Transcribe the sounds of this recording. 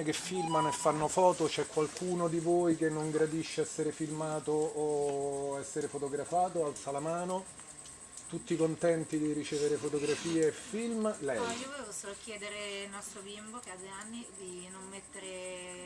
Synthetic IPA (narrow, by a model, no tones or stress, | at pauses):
kefːilmanoefːanːofɔːt̪ot͡ʃɛkːwalkʰuːnod̪ivoːjkenːoŋɡɾad̪iʃːeɛsːeɾefilmaːt̪oː | ɛsːeɾefot̪oɡɾafaːt̪oalt̪salamaːno | t̪ut̪ːikont̪ɛnt̪id̪irit͡ʃeːveɾefot̪oɡɾafiːeːfilmlɛiovoevosoːlkjɛːd̪eɾeilnɔst̪ɾobimbokead̪weanːid̪inomːet̪ːeɾe